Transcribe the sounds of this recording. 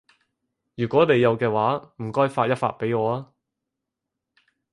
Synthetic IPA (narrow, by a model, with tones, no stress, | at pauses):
jyː˨˩kʷɔː˨˥ne˨˧jːɐ˨˧wkɛː˧waː˨˥m̩˨˩kɔː˥jfaː˧t̚jɐ˥t̚fa̰ː˧t̚pe˨˥jŋɔː˨˧aː˦˥